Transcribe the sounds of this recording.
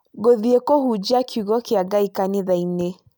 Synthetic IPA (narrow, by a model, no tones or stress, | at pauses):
ɡoðiekɔhud͡ʒakʰuɣɔkiaɡaikaniðaine